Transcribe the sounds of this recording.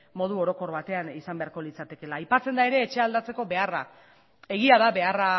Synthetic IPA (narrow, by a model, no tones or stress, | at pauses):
mo̞ð̞uo̞ɾo̞ko̞ɾβat̪e̞anisambe̞aɾko̞lit͡sat̪e̞ke̞laːjpat͡se̞nd̪ae̞ɾe̞ːt͡ʃe̞ald̪at͡se̞ko̞βe̞ara | e̞ɣ̞iaðaβe̞ara